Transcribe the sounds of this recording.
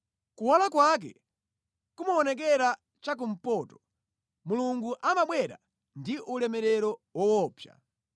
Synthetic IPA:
kuwalakwak̬ɛ̰ | kumaɔnɛk̬ɛɾa | t͡ʃak̬um̩pɔːtɔ̥ | muluŋɡuʔamaɓwɛɾa̰ | ndiʔulɛmɛɾɛɾɔwɔwɔːpʰja̰

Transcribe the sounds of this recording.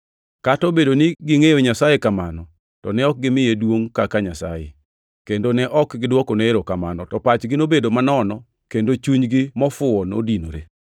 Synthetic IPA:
katobedonɪɡɪŋejoɲasajekamanɔ | tɔnɛɔk̚ɡɪmɪjedwoŋkakaɲasa̰jḛ | kendonɛʔɔkɡɪdwɔkoneeɾokamanɔtɔpat͡ʃɡɪnobedomanɔnɔ | kendot͡ʃuɲɡɪmɔfʊɔno̰dinoɾe

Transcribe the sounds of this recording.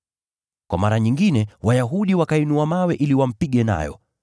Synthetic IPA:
kwamaɾaɲiŋɡinɛwajaɦuɗiwakainuamawɛʔiliwam̩piɠɛna̰jɔ̰

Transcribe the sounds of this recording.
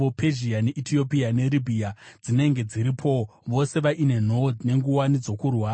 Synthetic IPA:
opʰeʒiane̞ʔitʰio̞piane̞ɾibʱiad͡zine̞ŋɡe̞d͡ziɾipʰo̞ʋo̞se̞ʋaʔine̞nodne̞ŋɡuwanid͡zo̞kurwaː

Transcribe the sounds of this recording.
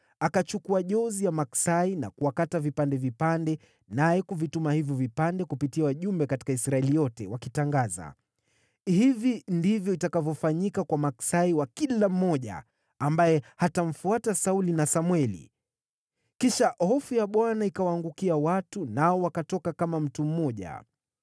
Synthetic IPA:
akat͡ʃukuaʄɔzijamaksaina̰kuakatavipandɛvipandɛ | najɛkuvitumahivjɔvipandɛkupitiawaʄumbɛkati̥kaisɾaɛlijɔtɛ̰wakitaŋɡaza̰ | hivindivjɔitakavjɔfaɲikakwamaksaiwakilam̩ːɔʄa̰ː | mbajɛhatam̩fuatasaulinasamwɛlḭ | kiʃahɔfujaɓwanaikawaːŋɡukiawatunaɔwakatɔkakamam̩tum̩mɔʄa̰

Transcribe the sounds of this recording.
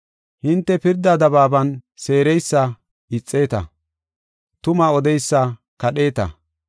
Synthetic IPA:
hɪnt̪ːɛpɪɾd̪ɐd̪ɐbaːbɐnse̞ːɾɛjsːɐ | ɪt͡sʼːe̞ːt̪ɐ̰ | t̪ʊmaɔd̪ɛjsːɐ | kɐɗe̞ːt̪ɐ̰

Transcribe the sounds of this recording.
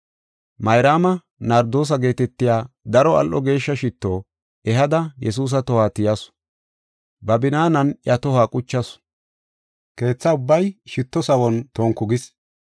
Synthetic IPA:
mɐjɾaːmɐ | nɐɾd̪o̞ːs̬ɐɡe̞ːt̪ɛt̪ːɪjaː | d̪ɐɾɔɐ̰lʔɔɡe̞ːʃːɐʃɪt̪ːoː | ɛɦɐd̪ɐjʔɛs̬uːs̬ɐt̪ɔhaːt̪ɪjɐsʊ̥ | bɐbɪnaːnɐnjʔɐt̪ɔhaːkʼʊt͡ʃːɐs | ke̞ːt͡sːɐʊbːɐjʃɪt̪ːɔsɐwɔnt̪oːŋkːʊɡɪs

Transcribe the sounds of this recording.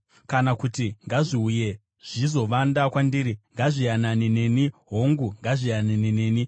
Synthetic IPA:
kanakutiŋɡaʐiuje̞ | ʐ̥izo̞ʋandakwandiːɾiŋɡaʐijananine̞niɦoŋɡuŋɡaʐijananineːni

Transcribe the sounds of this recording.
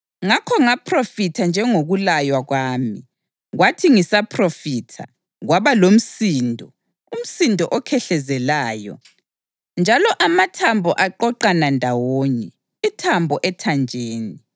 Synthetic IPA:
ŋakʰɔŋapʰrofitʰand͡ʒʱɛŋoɣulajwaɣwaːmi | ɣwatʰiŋisapʰrofitʰa̰ | ɣwaβalom̩siːndʱɔ | um̩sindʱɔʔɔkʰɛɬɛzɛlaːjɔ̰ | nd͡ʒʱalɔʔamatʰambʱɔʔaǃɔǃanandʱawoɲɛ | itʰambʱɔʔɛtʰand͡ʒʱeːni

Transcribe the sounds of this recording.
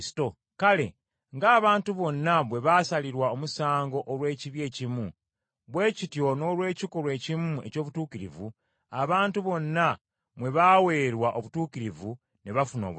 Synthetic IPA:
si̥to | kale̞̰ | ŋɡaːβaːntuβo̞nːaβwe̞βasaliɾwaomusaːŋɡo̞ʔoɾwe̞ːciβje̞ːcimu | βwe̞ːcitjo̞no̞lwe̞ːcikoɾwe̞ːcimue̞̰co̞ːβutuːkiɾḭvu | aβaːntuβo̞nːa | βwe̞βawe̞ːɾwaʔo̞βutuːkiɾivu | neβafuno̞̰ː

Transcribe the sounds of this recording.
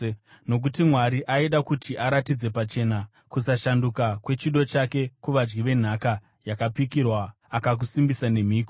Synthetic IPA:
no̞k̬utimwaɾiʔaiɗakutʰiʔaɾatid͡ze̞pat͡ʃe̞na | kusaʃandukakwe̞t͡ʃiɗo̞t͡ʃake̞kuʋad͡ʒɡiʋe̞n̤aka | jakapikirwaː | kak̬usimbisane̞miːko

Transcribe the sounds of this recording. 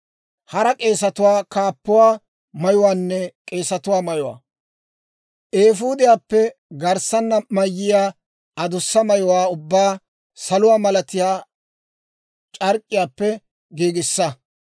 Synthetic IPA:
hɐɾɐkʼe̞ːsɐt̪ʊwaːkaːpːʊwaː | mɐjʊwaːnːɛkʼe̞ːsɐt̪ʊwaːmɐjʊwa̰ː | ʔeːfuːd̪ɪjaːpːɛɡɐɾsɐnːɐmɐjːɪjaː | ɐd̪ʊsːɐmɐjʊwaːʊbːaː | sɐlʊwaːmɐlɐt̪ɪjaː | t͡ʃʼɐɾkʼːɪjaːpːɛ | ɡiːɡɪsːɐ

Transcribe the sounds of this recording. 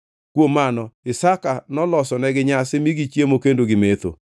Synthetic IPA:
kwomːanɔɪsakanɔlɔsɔnɛɡɪɲasɪmiɡit͡ʃjemokendoɡɪmet̪o̰

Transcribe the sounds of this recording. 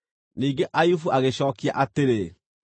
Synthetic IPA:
niːŋɡeʔajufuʔaɣeɕɔːkiaʔateɾe

